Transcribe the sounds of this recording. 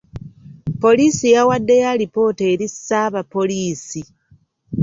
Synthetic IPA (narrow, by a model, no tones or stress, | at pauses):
po̞liːsijawadːe̞jalipo̞ːte̞ːɾisːaːβapːo̞liːsi